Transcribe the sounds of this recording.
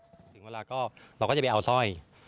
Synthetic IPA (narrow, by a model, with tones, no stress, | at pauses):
t̪ʰŋweː˧laː˧kɔː˥˩ɾa˧wkɔː˥˩t͡ɕʔa˧sɔː˥˩j